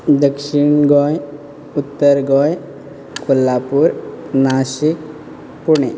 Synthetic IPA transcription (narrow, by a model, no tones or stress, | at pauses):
d̪əkʃiɳɡɔj | ut̪ːəɾɡɔj | kʰulːapuɾnaʃik̚ | puɳ̃e